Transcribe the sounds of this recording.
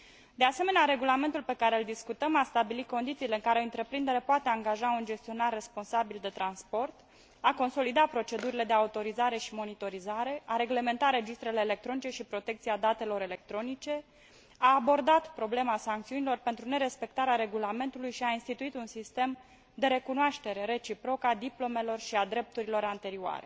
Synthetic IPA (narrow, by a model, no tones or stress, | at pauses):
d̪ease̞me̞neaɾe̞ɡulame̞nt̪ulpe̞kaɾe̞ɨld̪iskut̪əmast̪abilitko̞nd̪it̪siːle̞ɨŋkaɾeɨnt̪ɾe̞pɾind̪e̞ɾepoat̪e̞aŋɡaʒaund͡ʒe̞st̪io̞narːe̞spo̞nsabild̪e̞t̪ɾanspo̞rt̪ | ako̞nso̞lid̪apɾo̞t͡ʃe̞d̪uɾile̞d̪e̞aut̪o̞ɾizaɾe̞ʃimo̞nit̪o̞ɾizaɾe̞ʔaɾe̞ɡle̞me̞nt̪aɾe̞d͡ʒist̪ɾe̞le̞ːle̞k̚t̪ɾo̞nit͡ʃe̞ʃipɾo̞t̪e̞k̚t̪siad̪at̪e̞lo̞ɾe̞le̞k̚t̪ɾo̞nit͡ʃe̞ | aːbo̞rd̪at̪pɾo̞ble̞masaŋkt̪siunilo̞rpe̞nt̪ɾune̞ɾe̞spe̞k̚t̪aɾeaɾe̞ɡulame̞nt̪ulujʃiainst̪it̪uit̪unsist̪e̞m | d̪e̞ɾe̞kunoaʃt̪e̞ɾe̞ɾe̞t͡ʃipɾo̞kad̪iplo̞me̞lo̞rʃiad̪ɾe̞p̚t̪uɾilo̞ɾant̪e̞ɾioa̰ɾe̞̰